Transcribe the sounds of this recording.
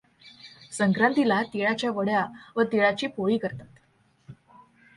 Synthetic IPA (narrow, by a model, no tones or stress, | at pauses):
səŋkɾant̪ilat̪iɭat͡ɕjaʋəɽjaʋət̪iɭat͡ɕiːpoɭiːkəɾt̪at̪